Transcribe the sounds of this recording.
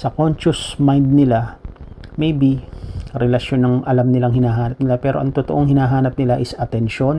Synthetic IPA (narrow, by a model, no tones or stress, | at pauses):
sɐkonʃʊsmajnd̪̚nɪla | mejbiɾɛlɐʃo̞nɐŋʔɐlamnɪlaŋhɪnaːɦaːnɐp̚nɪlapɛːɾo̞ʔɐŋt̪ʊt̪oʔo̞ŋhɪnaːɦaːnɐp̚nɪlaʔɪsɐt̪ɛnʃo̞n